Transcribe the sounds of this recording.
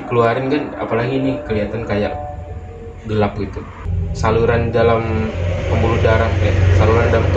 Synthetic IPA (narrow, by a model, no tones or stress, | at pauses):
kəluaɾɪnkana̰palaɡinikəliat̪ankaja̰ʔ | ɡəlap̚ɡit̪u | saluɾandalampəmbuludaɾaŋɛsaluɾandalamt̪